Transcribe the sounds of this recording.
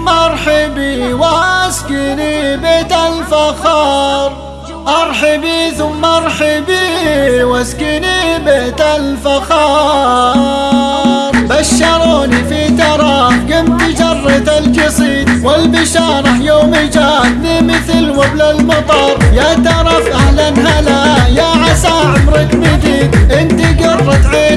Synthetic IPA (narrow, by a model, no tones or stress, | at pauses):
mːɑɾˤħɪbiwaskɪnibeːt̪alfaxɑɾˤ | ʔɑɾˤħɪbiθʊmːʔɑɾˤħɪbiwaskɪnibeːt̪alfaxɑ | ɾˤbaʃːɑɾˤoːnifit̪ɑɾˤɑːfɡɪmt̪id͡ʒɑrˤːɑt̪alkɪsˤiːt̪ˤwɪlbɪʃɑːɾˤɑħjoːmɪd͡ʒaːbnimɪθlwablalmɑt̪ˤɑːɾˤjat̪ɑɾˤɑfʔahlanɦalajaʕasaʕmɾɪkmɪd̪iːʔɪnt̪iɡɑrˤːɑt̪ʕiː